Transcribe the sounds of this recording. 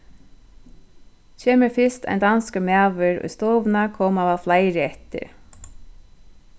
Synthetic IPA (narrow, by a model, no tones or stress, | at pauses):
t͡ʃʰeːməɹfɪst̪a̰jnd̪anskəmæːʋʏɹʊ̰jst̪oːʋnakʰɔːmaʋaðflajɾɪɛht̪ɪ̰ɾ